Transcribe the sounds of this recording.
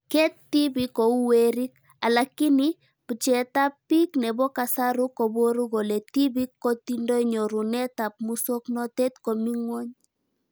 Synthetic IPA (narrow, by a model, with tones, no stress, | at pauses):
kɛ˦tːi˦bi˨kːɔ˨u˦weɾi˦k | a˨lakːi˦ni | pu˨t͡ʃɛ˨ta˦pːi˦knɛ˨bɔ˦ka˨sa˦ɾu˦kɔ˨bo˦ɾu˦ɡo˨le˨ti˦bi˦kːo˦tindo˦iɲɔ˨ɾu˨nɛ˦ta˨p̚mu˦so˦knɔ˦tɛ˦tko˨mi˦ŋwɔ˦ɲ